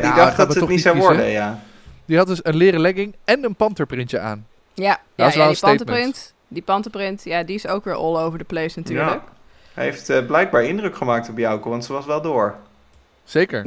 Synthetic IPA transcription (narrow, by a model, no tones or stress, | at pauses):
didɑχdɑtsətɔnisawʋɔɹdə̰jaː | diɦɑt̚dɵsənlɪːrəlɛɡɪŋɛnənpɑntəɹprɪntəa̰ːn | ja | ɑsɛlˠənstejtəmərɪnt | dipɑntəɹprɪntjaːdiɪsowkʋɪːɹʔɔ̰lˠowvəɹdəplejsnatyːɹlək | ejftblɛjɡ̚baːɹɪndrɵkχəmaːk̚tɔpjɑwkəʋɑntsəʋɑsʋɛlˠdʊːɹ | z̥ejkə̰ɹ